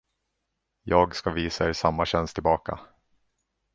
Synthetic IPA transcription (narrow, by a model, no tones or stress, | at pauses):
jɑːɡskaviːsaɛɾsamːaɕɛnst̪ʰɪlbɑːka̰